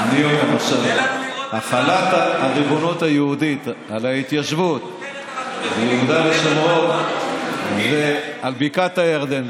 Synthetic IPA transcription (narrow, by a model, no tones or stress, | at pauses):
anioχeʁaʃavaχalat̪aʁibonut̪ajeud̪it̪ | alait̪jaʃvut̪ | vejɛud̪aleʃomʁot | zealbikat̪ajaʁd̪en